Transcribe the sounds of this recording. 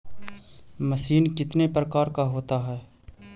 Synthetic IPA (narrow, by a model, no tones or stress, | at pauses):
mɐsiːnkɪt̪nepɾəkaːɾkaɦoːt̪aɦɛː